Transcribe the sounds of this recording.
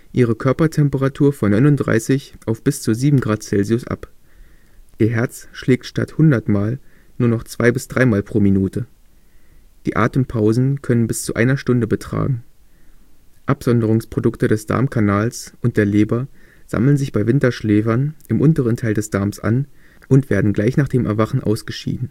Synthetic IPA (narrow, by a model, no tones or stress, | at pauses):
ʔiːʁ̞əkʰœɐpɐtʰɛmpəʁatʰuːɐfɔnːɔʏnʊntd̥ʁa̰ɪsɪçʔaʊfb̥ɪst͡suziːbm̩ɡʁaːt̚t͡sɛlziʊsʔa̰p | ʔiːɐɦɛɐt͡sʃleːk̚tʃta̰thʊndɐtmaːl | nuːɐnɔχt͡sv̥aɪbɪsd̥ʁaɪmaːlpʁ̥oːminuːtə | d̥ḭːʔa̰ːtəmpʰaʊzn̩kʰœnənbɪst͡suʔa̰ɪnɐʃtʊndəbətʁ̥a̰ːɡŋ̩ | ʔapz̥ɔndəʁ̞ʊŋspʁ̥odʊktədɛsd̥a̰ɐmkʰanaːlsʔʊnt̚d̥eːɐleːbɐz̥a̰ml̩nzɪçb̥aɪvɪntɐʃleːfɐnʔɪmʔʊntəʁəntʰaɪldɛsd̥aɐmsʔa̰n | ʔʊntv̥eːɐdn̩ɡlaɪçnaːχd̥eːmʔɛɐvaχn̩ʔa̰ʊsɡ̥əʃḭːdn̩